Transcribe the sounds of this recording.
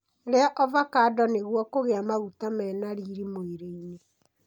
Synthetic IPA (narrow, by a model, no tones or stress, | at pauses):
ɾeaʔɔvakadɔneɣwɔkoɣeamaɣutamɛːnaɾiːɾimoeɾeine